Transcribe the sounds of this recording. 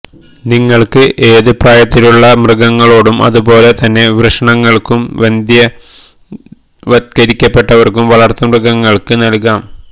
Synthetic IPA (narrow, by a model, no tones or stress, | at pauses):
niŋːɐɭkɨʔeːðɨpraːjɐt̪ːiluɭːɐmrɨɡɐŋːɐɭo̞ːɽumɐ̰ðubo̞ːle̞t̪ɐnːe̞ʋrɨʂɐɳɐŋːɐɭkumʋend̪jɐ | ʋɐt̪kɐɾikʲːɐpːe̞ʈːɐʋɐrkumʋɐɭɐrt̪ːɐmrɨɡɐŋːɐɭkɨnɐlkaːm